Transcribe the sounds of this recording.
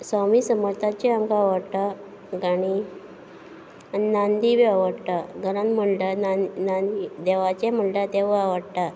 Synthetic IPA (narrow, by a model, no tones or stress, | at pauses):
sɔmisəmɔɾt̪at͡ɕeamkaaʋəɽt̪a | ɡaɽ̃i | aninand̪iʋiaʋəɽt̪aɡəɾanm̤əɳɖanaid̪ɛʋat͡ɕɛm̤əɳɖat̪eʋaʋəɽt̪a